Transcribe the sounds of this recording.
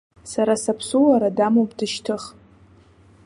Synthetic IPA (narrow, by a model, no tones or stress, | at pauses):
saɾasapʰsulaɾadamopʼdɨʃtʰɨχ